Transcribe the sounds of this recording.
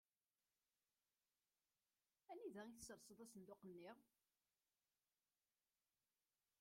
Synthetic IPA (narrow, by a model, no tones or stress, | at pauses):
æniðæiθəsəɾˤsˤəðˤæsənd̪oqənːiʁ